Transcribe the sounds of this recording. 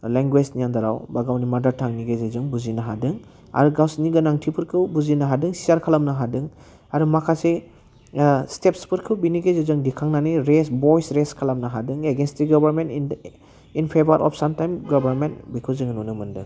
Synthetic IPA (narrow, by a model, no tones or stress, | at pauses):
leŋɡwed͡ʒnijand̪aɾa̰wbaɡawnimadaɾtʰaŋniɡazezɯŋbuzinaɦadɯŋ | a̰ɾuɡawsniɡɯnaŋtʰipʰɯɾkʰɯwbuzinaɦadɯŋsiaɾkʰalamnaɦadɯŋ | aɾumakʰase | stepspʰɯɾkʰɯwbiniɡezezɯŋdikʰaŋnaniɾesbɔjsɾeskʰalamnaɦadɯŋeɡenstiɡɔbaɾment | inpʰebaɾʔɔ̰pʰsamtajmɡɔbaɾmentbikʰɯzɯŋnunɯmɯndɯŋ